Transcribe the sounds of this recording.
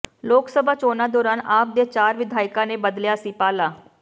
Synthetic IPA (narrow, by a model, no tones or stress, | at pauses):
loːksəbʱaːt͡ʃoːnaːd̪ɔːɾaːnaːp̚d̪eːt͡ʃaːɾʋɪd̪ʱaːɪkãːnẽːbəd̪ljaːsiːpaːlaː